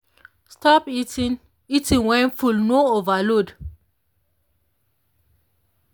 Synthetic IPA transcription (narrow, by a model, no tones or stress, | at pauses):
stɔpitĩn | itĩŋwɛ̃nfulnoovalod